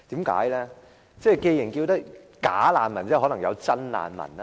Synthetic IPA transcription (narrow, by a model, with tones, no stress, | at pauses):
t̪iː˨˥mka̰ː˨˥jlɛː˥ | t͡sɛː˥˩jke˧jɪ˨˩ŋkiː˧wt̪ɐ˥k̚ | kaː˨˥laː˨˧nmɐ˨˩nt͡sɛː˥˩ɦɔ˨˥n˨˩ŋjɐ˨˧wt͡sɐ˥nla̰ː˨nmɐ̰˨˩na˧